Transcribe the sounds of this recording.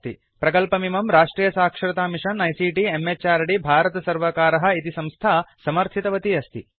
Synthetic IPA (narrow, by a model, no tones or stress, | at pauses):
t̪i | pɾɐkɐlpɐmimɐmɾaːʂʈɾiːjɐsaːkʂɐɾɐt̪aːmiʂɐnːɐjsiːʈiemːet͡ʃaːɾɐɽibʱaːɾɐt̪ɐsɐɾʋɐkaːɾɐɦɐ̆it̪isɐmst̪ʰaːsɐmɐɾt̪ʰit̪ɐʋɐt̪iɐst̪ʰi